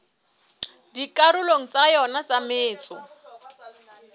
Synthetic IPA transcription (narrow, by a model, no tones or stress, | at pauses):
dikaɾʊloŋ̩t͡sajɔnat͡samɪːt͡sɔ